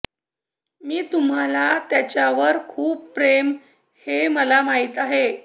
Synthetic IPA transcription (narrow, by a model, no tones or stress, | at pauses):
miːt̪um̤alat̪jat͡ɕjaʋəɾkʰuːpːɾem | heməlamaɦiːt̪aɦe